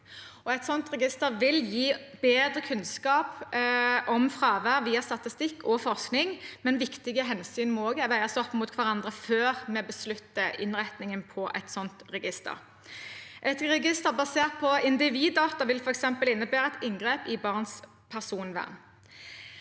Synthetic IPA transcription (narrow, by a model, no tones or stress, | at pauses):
ɔɛt̪sɔnt̪ʁɛɡɪst̪əɾʋɪljiːbeːd̪ʁəkʰʉnskɑːp | ʔɔmfʁɑːʋəʋiːɑst̪ɑt̪ɪst̪ɪkːɔfɔʁsknɪŋmɛnʋɪkt̪ɪɡəɦɛnsyːnmɔoːɡəɛʋæɪəsɔpːmuːt̪kʰʋæʁɑnd̪ʁəføːʁmɛbəslʉt̪ːəʔɪ̰nʁɛt̪nɪŋənpʰɔʔɛ̰t̪sɔnt̪ʁɛɡɪst̪ə̰ɾ | ʔɛt̪ɾɛɡɪst̪əʁbɑseːʁt̪̚pʰɔɪnd̪ɪʋiːd̪ːɑːt̪ɑʋɪlfɔɾɛksɛmpəlɪnːəbæːɾʁəɛt̪ɪŋɡʁeːpɪbɑʁns | pʰæʁsuːnʋæ̰ʁn